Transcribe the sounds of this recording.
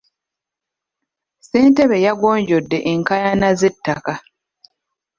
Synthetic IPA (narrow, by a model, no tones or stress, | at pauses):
se̞ːnteβe̞jaɡoːɲɟodːe̞ʔeŋkajanazetːaka